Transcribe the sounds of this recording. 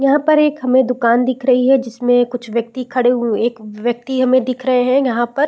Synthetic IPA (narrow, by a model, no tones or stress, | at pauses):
jɐɦãpɐɾeːkɦɐmẽd̪ʊkaːnd̪ɪkʰɾɐɦiɦɛd͡ʒɪsmẽkʊt͡ʃʰʋjɐk̚t̪ikʰɐɽeũeːkʋjɐk̚t̪iɦɐmẽd̪ɪkʰɾɐɦeɦɛ̃jɐɦãpɐɾ